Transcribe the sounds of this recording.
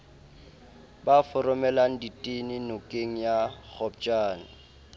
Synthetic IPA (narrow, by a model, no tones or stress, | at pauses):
bafʊrʊmɛlaŋ̩ditʼinɪnʊkʼeŋ̩jak͡xʰɔp̚t͡ʃʼaːn̩